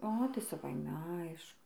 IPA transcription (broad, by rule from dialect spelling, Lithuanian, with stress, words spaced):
ˈoː tɐɪ sɐˈʋɐɪmʲɛ ˈɐɪʃkʊ